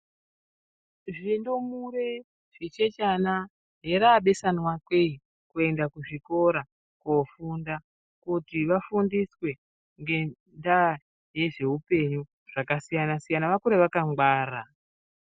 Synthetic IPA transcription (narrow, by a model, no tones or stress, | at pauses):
ʐindo̞muɾe̞ | ʐ̥it͡ʃe̞t͡ʃana | ɦeɾaːɓe̞sanwakwe̞i | kue̞ndakuʐiko̞ɾa | kofunda | kutiʋafundiswe̞ | ŋɡe̞ | nda | je̞ʐe̞upe̞ɲu | ʐ̥akasijanasijanaʋakuɾeʋakaŋɡwaːra